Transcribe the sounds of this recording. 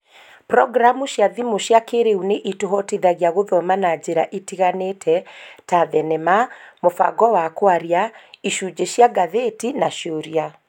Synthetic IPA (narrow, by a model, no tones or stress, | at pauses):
pɾɔɡɾamuʃjaðimoʃjakeɾeuneʔitoɦɔtiðaɣjaɣoðɔmanad͡ʑeɾaʔitiɣanetʰɛtaðɛnɛmamofa̰ɡɔwakwaɾiaiʃud͡ʑeʃjaɡaðetinaʃjoɾja